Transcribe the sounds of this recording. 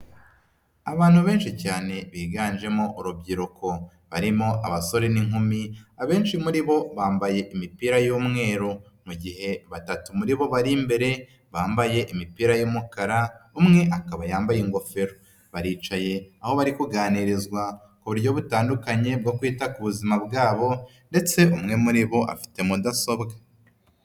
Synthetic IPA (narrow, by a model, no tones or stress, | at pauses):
aβaːn̥huβe̞ːnʃicaːne̞βiːɡaːnd͡ʒe̞mo̞ʔuɾubɟiɾukʰo̞ | βaɾimo̞ʔaβaso̞ɾeniŋumiaβe̞ːnʃimuɾiβo̞βaːmbaje̞ʔimipiːɾajuːmŋe̞ːɾo | muɟihe̞βatatumuɾiβo̞βaɾimbe̞ɾe̞ | βaːmbaje̞ʔimipiːɾajuːmukaɾaumŋe̞ʔakaβajaːmbajeŋɡo̞feɾo | βaɾiːt͡ʃaje̞aho̞βaɾikuɡaːniɾizɡwa | kuβuɾɟo̞βutaːndukaɲe̞b̚ɡo̞kwiːtakuβuzimabɡaːβo̞ | nde̞t͡se̞umŋe̞muɾiβo̞ʔa̰fi̥te̞mudaso̞bɡa